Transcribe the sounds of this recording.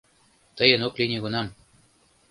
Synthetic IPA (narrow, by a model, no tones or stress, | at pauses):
t̪əjə̆noklʲinʲeɡunɑm